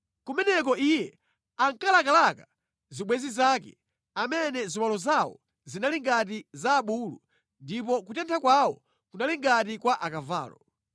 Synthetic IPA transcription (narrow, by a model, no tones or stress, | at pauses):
kumɛnɛkɔʔijɛ | aŋkalakalaka | ziɓwɛzizakɛ̰ | amɛnɛzimalɔzawɔ̰ | zinaliŋɡat̬izaːɓulṵ | ndip̬ɔkutɛntʰakwawɔ | kunaliŋɡat̬ikwaʔakava̰ːlɔ